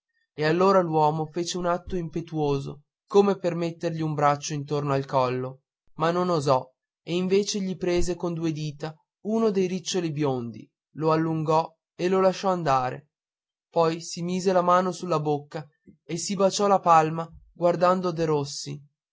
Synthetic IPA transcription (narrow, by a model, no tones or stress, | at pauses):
ealːoːɾalwɔːmofeːt͡ʃeunat̪ːoimpet̪uoːzo̰ | koːmepermet̪ːerʎiumbɾat͡ʃːoint̪ornoalkɔlːo | manːonozɔ | eiɱveːt͡ʃeʎipɾeːzekond̪uːed̪iːt̪a | uːnod̪ejɾit͡ʃːolibjond̪ḭ | loalːuŋɡɔ | elolaʃːɔand̪aːɾḛ | pɔjsimiːzelamaːnosulːabokːa | esibat͡ʃɔlapalmaɡward̪and̪od̪eɾosːḭ